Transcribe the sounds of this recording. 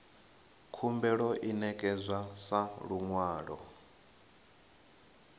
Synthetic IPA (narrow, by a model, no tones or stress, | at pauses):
kʰumbɛɺɔʔinɛkʼɛzʷasaɺuŋwaːɺɔ̰